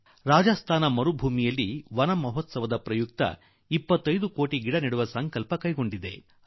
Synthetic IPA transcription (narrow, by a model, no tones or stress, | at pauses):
ɾaːd͡ʒɐst̪ʰaːnɐmɐɾubʱuːmijɐlːiʋɐnɐmɐɦɔt̪sɐʋɐd̪ɐpɾɐjuk̚t̪ɐ̰ | ipːɐt̪ːɐjd̪ukoːʈiɡiɽɐniɽuʋɐsɐŋkɐlpɐkɐjɡo̞ɳɖid̪e̞̰